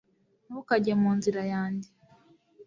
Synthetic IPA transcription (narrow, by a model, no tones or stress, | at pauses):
nukaɟamuːnziɾajaːndi